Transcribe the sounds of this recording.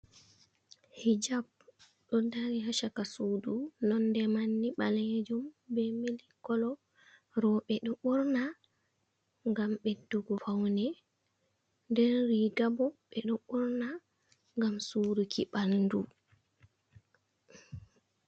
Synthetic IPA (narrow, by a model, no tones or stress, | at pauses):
hid͡ʒab̚ | ɗɔdaɾihaʃakasuːdunɔndɛmanːiɓalɛd͡ʒumbɛmilikːɔlɔ | ɾɔɓɛɗɔɓuɾna | ŋɡamɓɛduɡɔfawnɛ | ndɛnɾiɡabɔɓɛɗɔɓuɾna | ŋɡamsuːɾukiɓalndu